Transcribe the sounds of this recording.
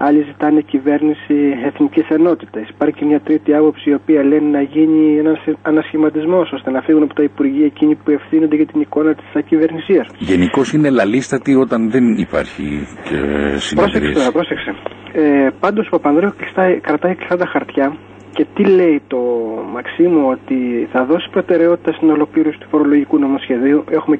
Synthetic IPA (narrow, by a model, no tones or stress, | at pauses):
ɐʎizit̪ɐnecive̞ɾnisieθniciseno̞t̪it̪ɐsi̥pɐɾçimɲɐt̪ɾit̪iɐpo̞psiːo̞piɐlenenɐʝiɲienɐsɐnɐsçimɐt̪izmo̞so̞st̪e̞nɐfiɣunɐpot̪ɐipuɾʝiɐeciɲipue̞fθino̞nd̪eʝɐt̪iniko̞nɐt̪i̥sɐcive̞ɾnisiɐsʝeniko̞sine̞lɐlist̪ɐt̪io̞t̪ɐnðenipɐ̰ɾçḭcḛsipɾosesopɾo̞sekseepɐnd̪ospɐpɐnðɾeklist̪ɐkɾɐt̪ɐikli̥st̪ɐt̪ɐxɐɾt̪çɐ | ce̞t̪ile̞it̪o̞mɐksimuo̞t̪iθɐðo̞si̥pɾo̞t̪e̞ɾe̞o̞t̪i̥t̪ɐst̪inɐolo̞kliɾosi̥t̪u̥fo̞ɾo̞lo̞ʝikunomosçe̞ðiue̞xume̞